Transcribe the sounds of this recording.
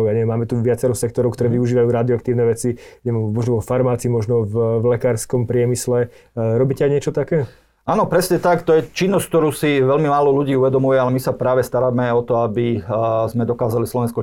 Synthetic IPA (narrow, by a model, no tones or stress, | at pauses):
jaɲɛɛmaːmɛt̪uʋɪat͡sɛɾɔxsɛk̚t̪ɔɾɔʊkt̪ɔɾɛːʋiuʒiːʋajuːɾad̪iɔak̚t̪iːʊnɛʋɛt͡siɲɛmmɔʒnɔʋɔfaɾmaːt͡simɔʒnɔvvlɛkaːɾskɔmpɾɪɛmislɛ | ɾɔbiːcɛajɲɪɛt͡ʃɔt̪akɛː | ʔaːnɔpɾɛsɲɛt̪akt̪ɔjɛt͡ʃinːɔsc̚k̚t̪ɔɾuːsiʋɛʎmimaːlɔluɟiːuʋɛd̪ɔmujɛalɛmisapɾaːʋɛst̪aɾaːmɛɔt̪ɔabizmɛd̪ɔkaːzalislɔʋɛnskɔ